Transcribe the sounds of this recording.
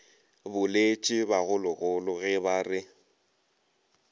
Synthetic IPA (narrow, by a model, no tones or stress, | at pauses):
bʊlet͡ʃʼɪbaɣʊlʊɣʊlʊɣɛbaːrɪ